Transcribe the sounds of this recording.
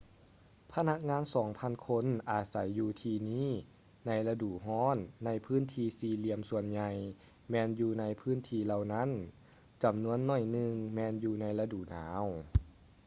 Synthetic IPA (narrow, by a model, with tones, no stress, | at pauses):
pʰa˧na˧˥k̚ŋaː˧˨nsɔː˩˦ŋpʰa˧˥˨nkʰo˧˥˨nʔaː˨˩t̪̚sa˩˦jːuː˧t̪ʰiː˧niː˧˥˨ | na˧jla˧duː˨˩ɦɔː˧˥˩nːa˧jpʰɯː˦˥˨nt̪ʰiː˧siː˧li˧əmsu˧ənɲa˧j | mɛː˧njuː˧na˧jpʰɯː˦˥˨nt̪ʰiː˧la˧wna˦˥˨n | t͡ɕa˨˩mnu˧˥ənːɔ˧˥˩jnɯ˧ŋmɛː˧njuː˧na˧˥jla˧duː˨˩na̰ː˩˦w